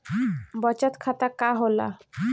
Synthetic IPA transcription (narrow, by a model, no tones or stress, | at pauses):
bɔt͡ɕat̪kʰat̪akaɦola̰